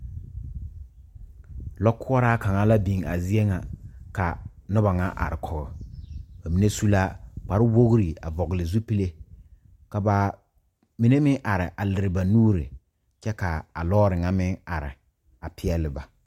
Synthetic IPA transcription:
lɔ˦kʰʊ˦ɔ˦ɾa˦ka˨ŋa˦la˦bi˨ŋa̰˨zi˦e˦ŋa˨ka˨nʊ˦ba˨ŋa˦ʔa̰˨ɾɪ˨kʰɔ˨ɣɔ̰˨ba˨mi˦ne˦su˦la˦k͡pa˨ɾɪ˦wo˦ɣɾi˨a̰˨vɔ˨ɣɪ˨lɪ˨zu˦pi˦le˦ | ka˨ba˨ | mi˨ne˦mɪ˦ŋʔa˨ɾɪ̰˨ʔa˨lɪ˨ɾɪ˨ba˨nuː˦ɾɪ̰˨ | t͡ʃɛ˦ka˨a˨lɔː˦ɾɪ˨ŋa˦mɪ˦ŋa˨ɾɪ̰˨ | a˨pʰɪ˦ɛ˦lɪ˨ba˨

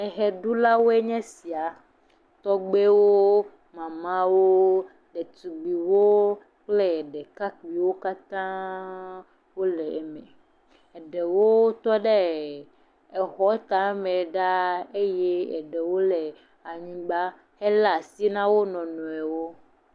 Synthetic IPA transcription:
ɛ˨ɦɛ˨ɖu˦la˦wo˦e˦ɲɛ̃˦si˨a˨ | t̪ɔ˦ɡ͡be˦wo˦ | mã˨mã˦wo˦ | ɖɛ˨t̪u˨ɡ͡bi˨wo˦ | k͡plɛ˦˨ɖɛ˨ka˦ki˨wo˦ka˦t̪ã˦ | wo˦lɛ˨ɛ˨mɛ̰̃˨ | ɛ˨ɖɛ˨wo˦t̪ɔ˦ɖe˦ | ɛ˨xɔ˦t̪a˨˦mɛ̃˨ɖa˦e˦jɛ˦ɛ̰˨ɖɛ˨wo˦lɛ˨ | a˨ɲĩ˦ɡ͡ba˦ | hɛ˦la˦˨si˦nã˦wo˦nɔ̃˨nɔ̃˨ɛ˨wo˦

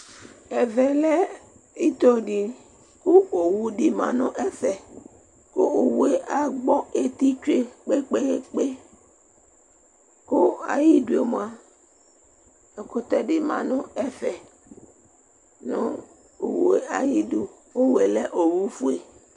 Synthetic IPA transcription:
ɛ˨vɛ˨lɛ˦ | i˦t̪o˦ɖi˨ | ku˦o˨wu˦ɖi˨mã̰˨nɔ̃˦ʔɛ˦fɛ˨ | ko˦o˨wu˦e˦ʔa˨ɡ͡bɔ˦e˨t̪i˦t͡ʃu˦e˦k͡pe˦k͡pe˦˨k͡pe˦ | ko˦a̰˨ji˦ɖu˨e˨mõ˦˨˦a˦ | e˨ko˦t̪ɛ˦ɖi˨mã̰˨nɔ̃˦ɛ˦fɛ˨ | nɔ̃˦ | o˨wṵ˨e˦ʔa˨ji˦du˨ | wo˦we˨lɛ˦ʔo˨wu˦fu˦e˨

